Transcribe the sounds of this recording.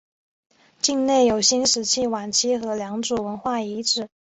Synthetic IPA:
t͡ɕi˥˧ŋne˥˩ɪjo˨˩ʊɕi˥nʂɻ̩˧˥t͡ɕʰi˥˩wa˨˩nt͡ɕʰi˥xɤ˧˥ljɑ˧˥ŋʈ͡ʂu˨˩wə˧˥nxwa˥˩i˧˥ʈ͡ʂɻ̩˨˩˦

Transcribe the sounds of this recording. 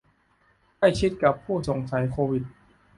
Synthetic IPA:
ka˥˩jt͡ɕʰi˦˥t̪̚ka˨˩pʰːuː˥˩so˨˩˦ŋsa˩˦jkʰoː˧wi˨˩t̪̚

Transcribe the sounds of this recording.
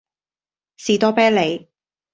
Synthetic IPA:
siː˨˩t̪ɔː˥pɛː˥le˨˧j

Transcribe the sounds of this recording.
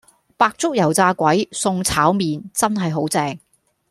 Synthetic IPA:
paː˧k̚t͡sʊ˥k̚jɐ˨˩wt͡saː˧kʷɐ˨˥jsʊ˧ŋt͡sʰaː˨˥wmiː˨nt͡sɐ˥nɦɐ˨jɦo˨˥wt͡sɛː˨˧ŋ

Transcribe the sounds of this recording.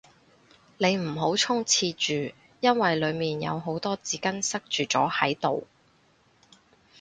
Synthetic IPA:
ne˨˧jm̩˨˩ɦo˨˥wt͡sʰʊ˥ŋt͡sʰiː˧t͡ʃyː˨ | jɐ˥nwɐ˨jlɵ˨˧ɥmiː˨njɐ̰˨˧wɦo˨˥wt̪ɔː˥t͡siː˨˥kɐ˥nsɐ˥k̚t͡ʃyː˨t͡sɔ̰ː˨˥hɐ˨˥jt̪o̰˨˩w

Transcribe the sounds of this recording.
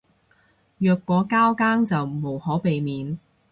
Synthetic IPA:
jœː˨˧kːɔː˨˥kaː˥wkaː˥ŋt͡sɐ˨wmo˨˩whɔː˨˥pe˨jmiː˨n

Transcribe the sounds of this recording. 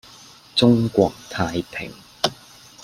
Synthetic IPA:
t͡sʊ˥ŋkʷɔː˧˩k̚t̪ʰaː˧jpʰɪ̰˨˩ŋ

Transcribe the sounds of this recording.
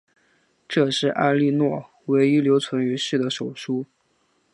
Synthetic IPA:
ʈ͡ʂɤ˥˧ʂɻ̩˥˩ʔa̰˥˧li˥˧nwɔ˥˩ | we˧˥ɪi˥ljo˧˥ʊt͡sʰwə˧˥ny˧˥ʂɻ̩˥˩d̪ə˦ʂo˨˩ʊʂu˥

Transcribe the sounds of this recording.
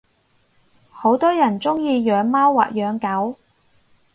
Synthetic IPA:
ho˨˥wt̪ɔː˥jɐ˨˩nt͡sʊ˥ŋjiː˧jœː˨˧ŋmaː˥wːa̰ː˨k̚jœː˨˧ŋkɐ˨˥w

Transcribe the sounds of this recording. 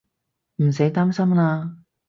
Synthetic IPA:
m̩˨˩s̬e˨˥jt̪aː˥msɐ˥mlaː˧

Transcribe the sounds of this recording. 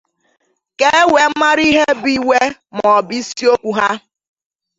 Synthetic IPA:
ke˦we˨˦ma˦ɾi˦ɦe˦bi˦we˦m˨ɔ˨bi˦si˦o˦kʷu˨ɦa˦

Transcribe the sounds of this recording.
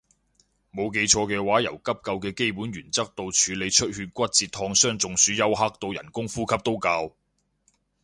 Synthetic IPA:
mo˨˧wk̬e˧jt͡ʃʰɔː˧kɛː˧waː˨˥jɐ̰˨˩wkɐ˥p̚kɐ˧wkɛː˧ke˥jpuː˨˥nɥyː˨˩nt͡sɐ˥k̚t̪o˧wt͡ʃʰyː˨˧le˨˧jt͡ʃʰɵ˥t̚hyː˧t̚kʷɐ˥t̚t͡siː˧t̪ʰɔː˧ŋsœː˥ŋt͡sʊ˨ŋsyː˨˥jɐ˥wɦa˥k̚t̪o˧wjɐ̰˨˩nkʊ˥ŋfuː˥kʰɐ˥p̚t̪o˥wkɐː˧w

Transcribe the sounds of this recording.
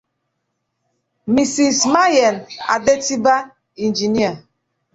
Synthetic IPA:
mi˨si˨sma˦ja˨na̰˨de˦ti˦ba˦ | i˨n˨d͡ʒi˨ni˦a˨

